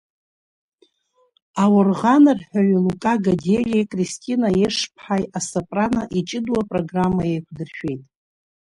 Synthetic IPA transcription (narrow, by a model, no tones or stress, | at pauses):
awʊrʁanɨrħʷᶣaɥilukʼaɡadelʲejkʼristʲʼinajeʂpʰħajasapʼranaʔit͡ʃʼɪduwapʼro̞ɡramːajejkʷʰdɨrʃᶣe̞jtʼ